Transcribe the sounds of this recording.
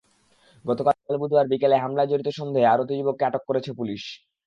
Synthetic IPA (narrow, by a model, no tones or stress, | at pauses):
ɡɔt̪okalkalbud̪ʱoaɾbikeleɦamlad͡ʑoɾit̪oʃɔnd̪ʱeaɾot̪̬id͡ʑibokːeaʈokːoɾet͡ɕʰepuliʃ